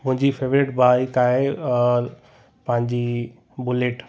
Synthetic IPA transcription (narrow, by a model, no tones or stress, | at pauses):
mʊ̃ɦɪ̃ɲd͡ʑifeːʋɾeʈbaːikaːe | pɐ̃ɦɪ̃ɲd͡ʑi | bʊleʈ